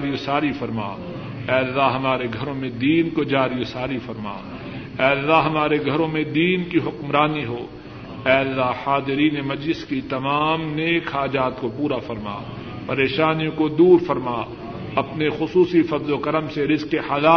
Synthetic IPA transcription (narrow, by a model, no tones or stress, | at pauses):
ɾijosaːɾifɐɾma̰ː | ɛːɐlːaɦɐmaːɾeɡʱɐɾõmẽd̪iːnkod͡ʒaːɾijosaːɾifɐɾma̰ː | ɛːɐlːaɦɐmaːɾeɡʱɐɾõmẽd̪iːnkiɦʊkmɾaːniɦoː | ɛːɐlːaɦhaːd̪ɪɾiːnemɐd͡ʒlɪskit̪ɐmaːmneːkɦaːd͡ʒaːt̪kopuːɾafɐɾma̰ː | pɐɾeːʃaːnijõkod̪uːɾfɐɾmaː | ɐpnexʊsuːsifɐd̪lokɐɾəmseɾɪzkehɐːlaː